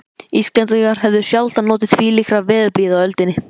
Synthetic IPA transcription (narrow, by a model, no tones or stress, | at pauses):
isklɛnt̪iŋkaɾ̥ɦɛvðʏsjalt̪anɔːt̪ɪðviːlixɾavɛːðʏɾpliːðawœlt̪ɪnːɪ